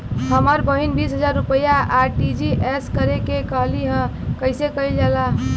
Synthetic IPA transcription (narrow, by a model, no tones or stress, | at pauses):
ɦəməɾbəɦinbisɦəd͡ʒaɾːupəjaʔaʈid͡ʒiʔeskəɾekekəɦliɦə̃kəɪsekəild͡ʒala